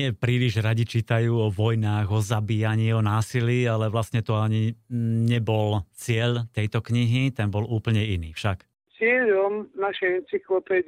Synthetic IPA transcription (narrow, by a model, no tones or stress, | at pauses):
ɲɪɛpɾiːliʒɾaɟit͡ʃiːt̪ajuːɔʋɔjnaːɣɔzabiːaɲiːɔnaːsiliːalɛʋlasɲɛt̪ɔaɲiɲɛbɔlt͡sɪɛʎt̪ɛjt̪ɔkɲiɦit̪ɛnbɔluːpl̩ɲɛiniːfʃak | t͡sɪɛʎɔmnaʃɛɛnt͡siklɔpɛ